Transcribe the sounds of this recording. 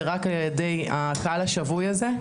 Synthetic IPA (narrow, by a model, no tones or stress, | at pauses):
ʁakaljedejakaalaʃavujaze